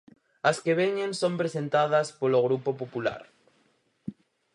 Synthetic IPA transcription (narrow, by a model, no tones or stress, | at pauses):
ɐskeβeɲẽnsõmpɾesent̪að̞ɐspoloɣ̞ɾupopopula̰ɾ